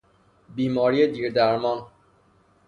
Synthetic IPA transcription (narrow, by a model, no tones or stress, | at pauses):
bimɔɾied̪iɾd̪aɾmɔn